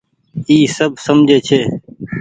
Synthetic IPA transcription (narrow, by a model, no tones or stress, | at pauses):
iːsəb̚səmd͡ʒʱeːt͡ʃʰeː